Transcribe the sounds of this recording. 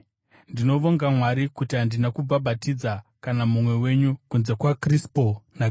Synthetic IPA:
ndino̞ʋo̞ŋɡamwaɾikutiɦandinakubabʱatid͡zakanamumwe̞we̞ɲukunze̞kwakrispona

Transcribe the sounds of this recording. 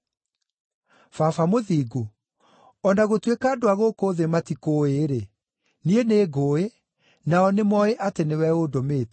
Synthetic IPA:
fafamoðiːɡo | ɔnaɣotwekaːdoaɣokoðematikoːeɾe | nieneːɣoːe | naɔnemɔeʔatenewɛodomeːt

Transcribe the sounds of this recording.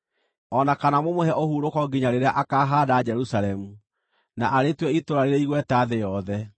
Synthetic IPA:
ɔnakanamomohɛʔohuɾokɔɡiɲaɾeɾeaʔakaːɦaːdaːd͡ʒɛɾusalɛmu | naʔaɾetwɛitoɾaɾeɾeiɣwɛtaːðejɔðɛ

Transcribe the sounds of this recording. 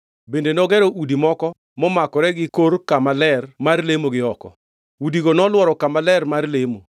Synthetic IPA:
bendenɔɡɛɾoʔudimɔkɔ | mɔmakɔɾɛɡɪkoɾkamalɛrmarlemoɡɪɔkɔ̰ | udiɡonɔlwɔɾɔkamalɛrmarlemo

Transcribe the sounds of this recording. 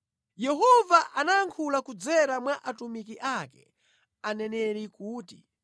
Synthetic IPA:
jɛhɔvaʔanaːŋkʰulakud͡zɛɾamwaʔatumikiʔakɛ̰ | anɛnɛɾikuːti

